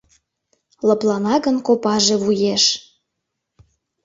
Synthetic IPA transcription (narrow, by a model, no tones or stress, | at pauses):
lɤplɑnɑɣənkopɑʒeβujeʃ